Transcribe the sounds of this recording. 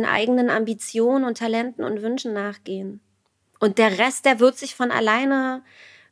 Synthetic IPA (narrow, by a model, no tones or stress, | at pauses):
nʔa̰ɪɡənəna̰mbit͡sjoːnənʊntʰːalɛntn̩ʊ̰ntv̥ʏnʃn̩naːχɡ̥eːən | ʔʊnt̚d̥eːɐʁɛst̚d̥eːɐvɪɐtz̥ɪçfɔna̰laɪnə